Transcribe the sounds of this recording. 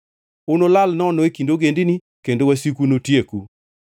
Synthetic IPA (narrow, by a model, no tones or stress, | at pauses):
ʊnolalnɔnɔekindoɡendini | kendowasikunotjeku